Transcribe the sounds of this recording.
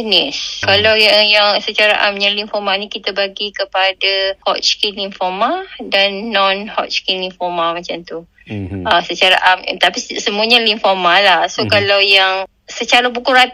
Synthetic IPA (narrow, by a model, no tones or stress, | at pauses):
nɪskalawjaŋjaŋsət͡ʃaɾaʔa̰mɲãlinfɔmanĩkit̪abaɡikəpadahɔ̰ʔt͡ʃkinlinfɔmadanːɔ̃nhɔ̰ʔt͡ʃkinlinfɔmamãt͡ʃant̪u | əsət͡ʃaɾa̰ʔam̰t̪apissəmũaɲalinfɔmalahsokalawjaŋ | sət͡ʃaɾabukuɾat̪